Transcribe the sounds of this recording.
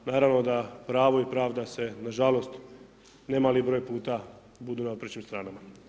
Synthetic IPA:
naːɾaʋno̞d̪apɾaːʋo̞ipɾaːʋd̪ase̞naʒalost̪ | nemaːlibɾo̞ːjpuːt̪a | bud̪unaopɾet͡ɕimst̪ɾaːnama

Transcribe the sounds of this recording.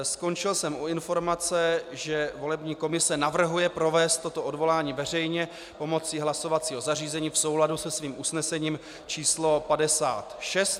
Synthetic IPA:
sko̞nt͡ʃɪlsɛmuɪnfo̞ɾmat͡sɛʒɛvo̞lɛbɲiːko̞mɪsɛnavr̩ɦujɛpɾo̞vɛːst̪ːo̞t̪o̞ʔodvo̞laːɲiːvɛr̝ɛjɲɛ | po̞mo̞t͡siɦlaso̞vat͡siːɦo̞zariːzɛɲiːfso̞wladusɛsviːmʔusnɛsɛɲiːm | t͡ʃiːslo̞padɛsa̰ːt̪ʃɛst̪

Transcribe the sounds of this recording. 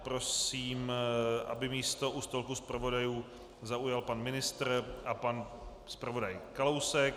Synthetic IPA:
pɾo̞siːmʔa̰bɪmiːst̪o̞ʔust̪olkuspɾavo̞dajuː | zaujalpanmɪnɪst̪ɾʔapan | spɾavo̞dajkalowsɛk

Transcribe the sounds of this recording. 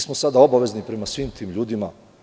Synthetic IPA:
smosad̪ao̞baʋe̞znipɾe̞masʋiːmt̪ʰiːmʎuːd̪ima

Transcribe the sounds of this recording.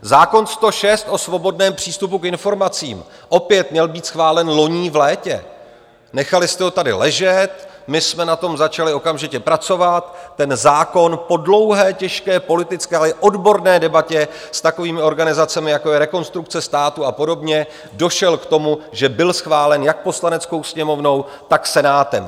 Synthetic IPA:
zaːko̞nst̪o̞ʃɛst̪ʔo̞svo̞bo̞dnɛːmpr̝̥iːst̪upukɪnfo̞ɾmat͡sḭːmʔo̞pjɛt̪mɲɛlbiːt̪sxvaːlɛnlo̞ɲiːvlɛːcɛ̰ | nɛxalɪst̪ɛɦo̞t̪adɪ̰lɛʒɛt̪mɪsmɛnat̪o̞mzat͡ʃalɪo̞kamʒɪcɛpɾat͡so̞vat̪ːɛnzaːko̞npo̞dlo̞wɦɛːcɛʃkɛːpo̞lɪt̪ɪt͡skɛːalɛʔo̞dbo̞ɾnɛːdɛbacɛ | st̪ako̞viːmɪo̞ɾɡanɪzat͡sɛmɪjako̞jɛɾɛko̞nst̪ɾuk̚t͡sɛst̪aːt̪uapo̞do̞bɲɛ | do̞ʃɛlkt̪o̞muʒɛbɪlsxvaːlɛnjak̚po̞slanɛt͡sko̞wsɲɛmo̞vno̞w | t̪aksɛnaːt̪ɛm

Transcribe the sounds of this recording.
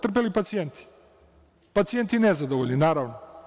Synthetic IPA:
t̪r̩p̬elipat̪sijent̪ʰi̥ | pat̪sijent̪inezad̪oʋoʎʲninaːɾaʋno

